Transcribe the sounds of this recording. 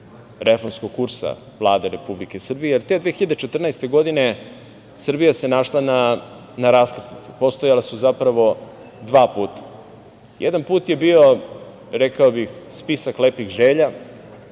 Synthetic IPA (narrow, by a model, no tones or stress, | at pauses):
ɾʔefo̞ɾmskoɡ̚kuɾsa̰ | vlˠaːd̪eɾe̞publike̞sr̩bijejeɾt̪e̞d̪ʋeːxiʎad̪et͡ʃet̪r̩nast̪e̞ɡo̞d̪ine̞ | sr̩bijase̞naʃlˠana | naɾaskr̩snit̪sepo̞st̪o̞jalasuzapɾaʋo̞ | d̪ʋaːpuːt̪ḁ | jʔed̪anpuːt̪je̞bio̞ | ɾekaobixspisakleːpixʒeːʎa